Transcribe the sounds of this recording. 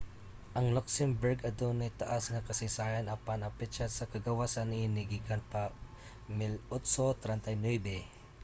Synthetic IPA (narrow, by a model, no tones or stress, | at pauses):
ʔɐŋlɔksɛmbɛɹɡɐd̪onajt̪ɐʔasŋɐkɐsɪsaːjanʔapanɐpɛt͡ʃasɐkɐɡɐwasanːɪinɪɡiɡanpa | mɪlɔt̪sot̪ɾɛnt̪ajnwɛbɛ